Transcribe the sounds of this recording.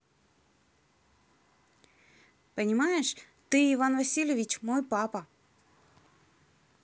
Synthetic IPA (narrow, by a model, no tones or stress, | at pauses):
pənʲɪmajɪʂ | t̪ɨɪvanvɐsʲilʲɪvʲɪt͡ɕmojpapə